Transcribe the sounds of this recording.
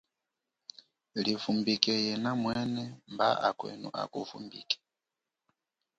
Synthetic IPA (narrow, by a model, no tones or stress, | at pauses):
lifumbikɛjɛnamwɛnɛmbaʔakwɛ̰nṵʔa̰kufṵmbḭkɛ̥